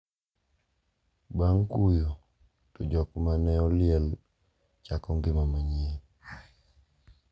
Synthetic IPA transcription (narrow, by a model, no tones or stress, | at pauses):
baŋkujo | tod͡ʒɔkmanɛɔlɪɛl | t͡ʃakɔŋɡɪmamaɲe